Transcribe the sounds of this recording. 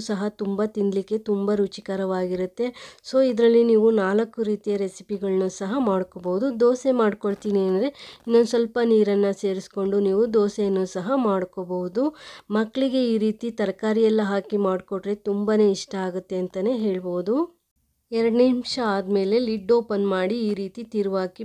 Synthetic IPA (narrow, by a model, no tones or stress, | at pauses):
sɐɦɐt̪umbɐt̪ind̪likːe̞t̪umbɐɾut͡ʃikɐɾɐʋaːɡiɾut̪ːe̞soːid̪ɾɐlːiniːʋunaːlɐkːuɾiːt̪ijɐɾe̞si̥piɡɐɭɐnusɐɦɐmaːɽkoboʋud̪ud̪oːsemaːɖkoɭt̪iːniɐnd̪ɾeinːonusʋɐlpɐniːɾɐnːɐse̞ːɾisko̞ɳɖuniːʋud̪oːsejɐnːuːsɐɦɐmaːɽkoboʋud̪umɐkːɭiɡe̞iːɾiːt̪it̪ɐɾɐkaːɾijɛlːɐɦaːkimaːɖkoʈɾet̪umbane̞ːiʂʈɐaːɡut̪ːe̞ɐnt̪ɐne̞ːɦe̞ːɭbo̞ːd̪u | ɛɾɐɽnimʂɐaːd̪me̞ːle̞liɖːo̞ːpɐnmaːɽiːɾiːt̪it̪iːɾuʋaːki